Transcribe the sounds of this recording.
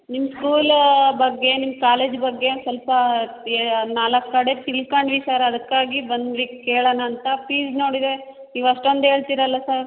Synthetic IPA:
nimɐskuːlbɐɡːe̞nimːkaːleːd͡ʒbɐɡːe̞sɐlpɐ | naːlɐkːɐɽet̪ilkaːɳɖʋisaːɾɐd̪ɐkːaːɡibɐnd̪ʋikeːɭɐnɐːnt̪ɐpiːd͡ʒno̞ːɽid̪e̞ | niːʋɐʂʈond̪ɦe̞ːɭt̪iːɾɐlːɐsɐɾ

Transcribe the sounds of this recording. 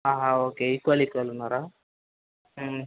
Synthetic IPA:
aːɦaoːkeikːualikːualunːaɾa

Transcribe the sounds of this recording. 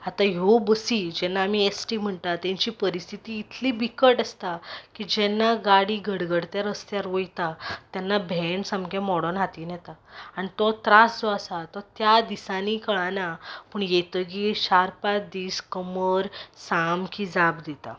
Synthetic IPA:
at̪ajobəsiːd͡ʑɛnːaːmiesʈiːm̤əɳt̪at̪jãɲt͡ɕiːpəɾist̪ʰit̪iːt̪ʰliːbikəʈəst̪akid͡ʑɛnːaɡaɽiːɡʱəɽɡəɽt̪jaɾəst̪jaɾʋojt̪at̪janːabʱɛɳsəmɡɛ̃mɔɽɔnɦat̪iːnjɛt̪aañit̪ɔt̪ɾasd͡zɔasat̪ɔt̪jad̪isãniːkəɭãnapəɳjet̪ək̬iɕaɾpad̪iːskəməɾsamkid͡zabd̪it̪a̰

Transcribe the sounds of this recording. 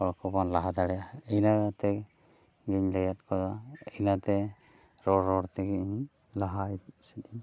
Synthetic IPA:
ɔɽkɔbanlaɦad̪aɽɛjaɛjnat̪ɛ | ɡiɲlɛjat̪̚kɔd̪aejnat̪ɛ | ɾɔɾːɔɽt̪ɛɡiʔ | laɦait̪sɛt̪i

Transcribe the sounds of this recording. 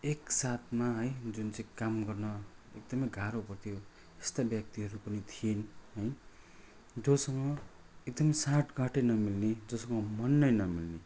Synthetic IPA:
eksat̪maɦʌjd͡zunt͡sʌĩkamɡʌrnʌek̚d̪ʌmʌjɡʱaɾopʌrt̪ʰijo | est̪abjʌk̚t̪iɦʌɾupʌnit̪ʰienɦʌj | d͡zʌsʌŋɡʌ | ekd̪ʌmʌjsaʈɡʱaʈʌnʌmilned͡zʌsʌŋɡʌmʌnːʌjnʌmilne

